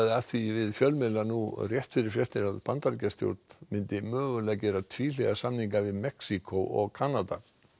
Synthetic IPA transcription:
ðɪatθivɪðfjœlmɪlanurjɛht̪fɪɾɪɾ̥fljɛht̪nɪɾaðpant̪aɾcast̪jo̰ɾt̪nmɪnt̪ɪmœːɣʏlɛːɣcɛːɾat̪ʰviːlɛɣasamniŋkavɪðmɛksikʰowɔ̰ɣkʰanat̪a

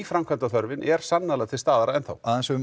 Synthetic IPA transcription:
ifɾamkʰvant̪aθœɾvɪnʔɛɾ̥sanːalat̪ʰɪlst̪aːðaɾaɛnθa̰waðɛnsɛʏm

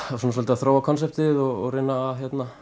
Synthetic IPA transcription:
asɔːnasɔlt̪ɪaðθɾoːwakʰɔnsɛp̚t̪ɪðɔɣɔ̰ɣɾɪnːaːðçjɛt̪na

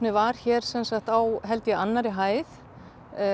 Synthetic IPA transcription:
nɪvaɾ̥çɛːɾ̥sɛnsakt̪awɦɛlt̪ɪjɛanːaɾɪɦaːjθ

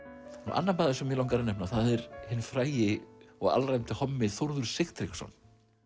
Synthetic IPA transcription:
nṵʔa̰nːanpaːðɪsɛmjɪlawŋkaɾɪnɛhpnaθaðɛɾhɪnːfɾaːjɪɔɣa̰lrajmt̪ɪhɔmːɪθowɾðʏɾ̥sɪxt̪ɾɪkḁsɔ̰n

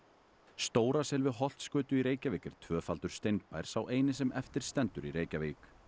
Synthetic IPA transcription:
st̪oːwɾasɛlvɪðɦɔl̥t̪skʏːt̪ʏiɾeːjcavɪːkɪɾ̥t̪ʰvœːfalt̪ʏɾ̥st̪ejnpajɾ̥sawʔeːjnɪsɛmɛft̪ɪɾ̥st̪ɛnt̪ʏɾiɾeːjcaveːk

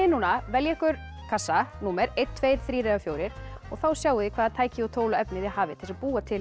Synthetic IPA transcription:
ɪnunavɛljɛɛhkʏɾ̥ | kʰasːanuːmɛɾejt̪t̪ʰvejɾ̥θɾiːɾeðafjoːwɾɪɾ̥ɔɣθawsjaːwðɪkʰv̥aːðat̪ʰaːjcɪɔt̪ʰoːwlaɛpnɪðɪɦaːvɪt̪ʰɪlsapuːat̪ʰɪl

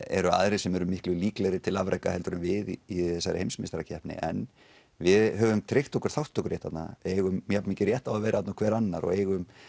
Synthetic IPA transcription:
ɛ̰ɾʏa̰ðɾɪsɛmɛɾʏmɪhklʏliːklɛɾɪt̪ʰɪlavɾʔɛkahɛlt̪ʏɾʏmvɪðiθθɛsːaɾɪ̰hejmsmɪ̰st̪aɾacʰɛhpnɪ̰ʔɛ̰n | vɪðɦœːvʏmt̪ʰɾext̪ohkʏɾ̥θawht̪ːɔkʏɾjɛht̪ʰːat̪na̰eːjɣʏmːjɛhamicɪrjɛht̪avavɛːjɾʔaat̪nawkʰvɛːɾanːaɾʔɔ̰ɣeːjɣʏm

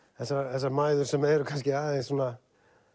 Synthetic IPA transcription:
ɛsaɛsamaːjðʏɾ̥sɛmɛɾʏkʰanscɪaðɪsuːna

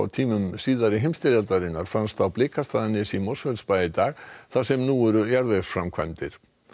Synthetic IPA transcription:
wt̪ʰiːmʏmsiːðaɾɪɦejmst̪ɪɾalt̪aɾɪnːaɾ̥fanst̪awplɪːkʰast̪aːðanːɪsimɔ̥svɛlspaːjðɪt̪aːɣθasɛmnuːɛɾʏjaɾðesfɾamkʰvajmt̪ɪɾ̥

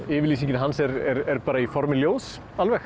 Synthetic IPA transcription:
ɪːvɪɾliːsĩɲcɪnɦansɛɾɛɾɛɾpaːɾaifɔɾmɪljoːws | alvɛx

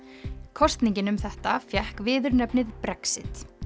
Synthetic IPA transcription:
kʰɔst̪niɲcɪnʏmθɛht̪afjɛhkvɪːðʏɾnɛpnɪðpɾɛksɪ̰t̪

